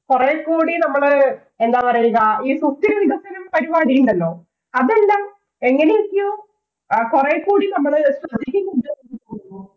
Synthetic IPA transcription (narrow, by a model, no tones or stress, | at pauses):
kureːkːuːɽinɐmːɐɭɨ | e̞nd̪aːpɐrɐjilɣɐiːsust̪ːiɾɐʋiʋɐsɐnɐpɐɾiʋaːɽikːuɳɖɐlːo̞ː | ɐðe̞lːaːm | e̞ŋːɐnejikːijoː | kureːkːuːɽinɐmːɐɭesɐɐd̪ʱikʲːɐŋuɖɐeʈːit̪oːunːu